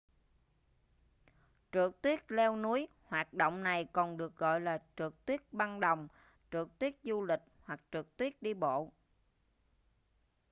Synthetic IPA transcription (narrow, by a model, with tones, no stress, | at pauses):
t͡ɕɨ̰˨˩ək̚t̪wi˦˥ət̚lɛ˧wnu˨˦əj | hwaː˨˩t̚ɗo̰˧˨wŋ͡mna˨˩jkɔ˨˩nɗɨ˨˩ək̚ɣɔ̰˧˨jlaː˨˩t͡ɕɨ˨˩ək̚t̪wi˦˥ət̚ɓa˧nɗə˨˩wŋ͡m | t͡ɕɨ˨˩ək̚t̪wi˦˥ət̚zu˧lï˨˩k̟̚hwa˨˩k̚t͡ɕɨ˨˩k̚t̪wi˦˥ət̚ɗi˧ɓo̰˧˨